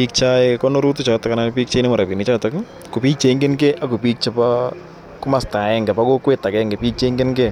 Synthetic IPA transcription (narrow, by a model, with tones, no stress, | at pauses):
pi˦k̚t͡ʃa˦ekɔ˦no˦ɾu˦tu˦t͡ʃɔ˨ta˦ka˦na˦n˦pi˦k̚t͡ʃa˦jne˦mɔ˨ɾa˨pi˨nɪ˨t͡ʃa˦ta˦k | ko˨piː˦t͡ʃe˨˦ŋɡe˦nɡe˦ʔa˦ko˨pi˦k̚t͡ʃa˦pa | kʊ˦ma˦˨sta˨ɛ˦ŋɡɛ˨pa˦ko˦kwe˦ta˨kɛ˦ŋɡe˨piː˦k̚t͡ʃe˦ŋɡe˦nɡe˦